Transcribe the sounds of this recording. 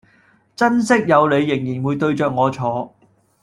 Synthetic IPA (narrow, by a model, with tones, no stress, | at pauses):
t͡sɐ˥nsɪ˥k̚jɐ˨˧wle˨˧jːɪ˨˩ŋjiː˨˩nwuː˨˧jt̪ɵ˧ɥt͡ʃœː˨k̚ŋɔː˨˧t͡ʃʰɔː˨˧